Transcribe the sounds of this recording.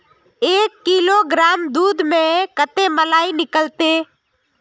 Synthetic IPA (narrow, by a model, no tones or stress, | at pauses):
eːkːiloɡɾaːmd̪uːd̪mẽkət̪eməlaːinɪkəlt̪e